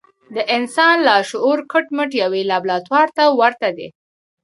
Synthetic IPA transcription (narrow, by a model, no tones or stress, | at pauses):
d̪əʔɪnsɑnlaʃʊʔuɾkʰəʈməʈjawelɑblɑt̪wɑɾt̪awaɾt̪ad̪ḛ